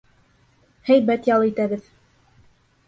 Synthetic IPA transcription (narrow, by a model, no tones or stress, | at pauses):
hæjbæt̪jɑlˠɤit̪æβɘð